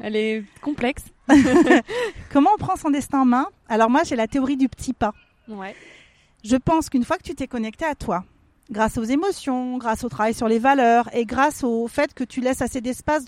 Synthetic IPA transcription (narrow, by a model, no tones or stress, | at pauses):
ɛlɛkɔ̃plɛks | kɔmɑ̃ɔ̃pχɑ̃sɔ̃d̪ɛst̪ɛ̃mɛ̃alɔʁmwaʒelat̪eɔʁid̪ypə̥t̪ʰipa | wɛ | ʒəpɑ̃skynfwakə̥t̪yt̪ɛkɔnɛk̚t̪eat̪wa | ɡʁasozemɔsjɔ̃ɡʁasot̪χavajsyʁlevalœːʁeɡʁasofɛt̪kət̪ʰylɛsased̪ɛspas